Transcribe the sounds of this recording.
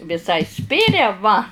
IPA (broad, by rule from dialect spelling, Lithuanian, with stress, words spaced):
ʋʲɪˈsɐɪ ˈsʲpʲɪrʲɛ ʋɐ